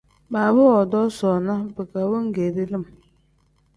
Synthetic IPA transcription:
baː˨bɨ˦ɔ˨dɔ˦sɔ˨na˦bɨ˨ka˨bɨ˦ŋ˦ɡe˨ɾi˦lɨ˦˨m

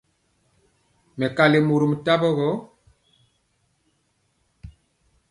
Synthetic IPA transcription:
mɛ˨ka˨le˨mu˨ɾu˨mu˨ta˦bɔ˦ɣɔ˦

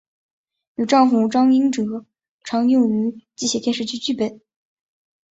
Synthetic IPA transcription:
u˨˩ʈ͡ʂɑ˥˩ŋfu˨˩ʈ͡ʂɑ˥ŋi˥ŋʈ͡ʂɤ˨˧˩ | ʈ͡ʂʰɑ˧˥ŋjʊ˥˩ŋy˧˥t͡ɕi˥ɕjɛ˨˩t̪jɛ˥˧nʂɻ̩˥˧˩t͡ɕʰy˥˧t͡ɕy˥˧˩pe˥˩ɪ

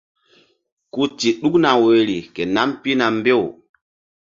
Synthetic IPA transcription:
ku˦ti˨ɗu˦kna˨we˨ɾi˨ke˨na˦mpi˦na˨mbe˦˨w

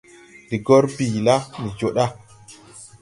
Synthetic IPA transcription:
di˨ɡo˦ɾbi˨la˦ni˨d͡ʒo˨ɗa˦

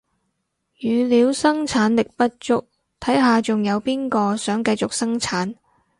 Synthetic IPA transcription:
jyː˨˧liː˨˧wsɐ˥ŋt͡ʃʰaː˨˥nlɪ˨k̚pɐ˥t̚t͡ʃʊ˥k̚ | t̪ʰɐ˨˥jɦaː˨t͡sʊ˨˩ŋjɐ˨˧wpiː˥nkɔː˧sœː˨˥ŋkɐ˧jt͡sʊ˨k̚sɐ˥ŋt͡sʰaː˨˥n

